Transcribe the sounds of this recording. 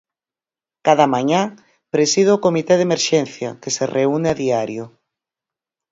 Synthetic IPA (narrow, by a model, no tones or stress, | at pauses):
kaðamaɲã | pɾesið̞eʊkomit̪ɛð̞emeɾʃɛnθjɐkeserʔeuneaðiaɾjo